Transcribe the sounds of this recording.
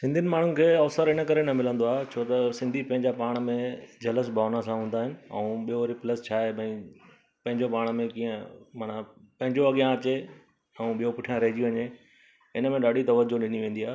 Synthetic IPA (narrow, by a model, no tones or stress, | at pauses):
sɪ̃nd̪iənɪ̆maːɳ̤ʊ̃nɪ̆kʰeːɐʋsəɾɪnə̆kɐɾenɐmɪlə̃nd̪oaːɦet͡ɕʰoːt̪ɐsɪ̃nd̪ʱipɐ̃ɦɪ̃ɲd͡ʑapaːɽ̃mẽd͡ʑɐləs̬bʱaːnãsãɦũːn̆d̪aːɦɪnɪ̆ɛ̰ũɓijoɾipləst͡ɕʰaːebɐ̃ĩ | pɐ̃ɦɪ̃ɲd͡ʑopaːɽ̃mẽkĩːə̃maːnapɐ̃ɦɪ̃ɲd͡ʑoɐɠijãɐt͡ɕe | ɛ̃ũɓijopʊʈʰijãɾɐɦɪd͡ʑiʋɐɲe | ɪnə̆mẽɗaːɖit̪ɐʋəd͡ʑoɗɪniʋẽːn̆d̪iaːe